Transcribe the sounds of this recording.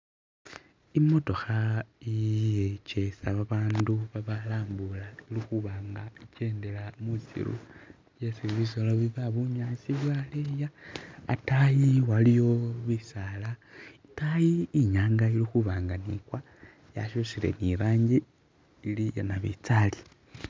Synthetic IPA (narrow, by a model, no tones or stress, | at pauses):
imo̞to̞xaijet͡ʃe̞saβaβaːnduβaβalaːmbulailixuβaːŋɡaice̞ːnde̞lamut͡sḭɾṵ | jesiβiβisoloβiβaβuɲaːsiβwalejaː | tajiwalijo̞βisalaitajiːɲaːŋɡailixuβaːŋɡanḭːkwa | ja̰ʃusile̞̰niɾaːɲɟi | ilijanaβḭt͡sali